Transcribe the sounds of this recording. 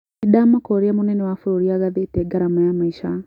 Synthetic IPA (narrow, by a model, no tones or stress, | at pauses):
idaːmakɔɾeamonɛnɛwafuɾoɾiaɣaðetɛɡaɾamajamaiʃa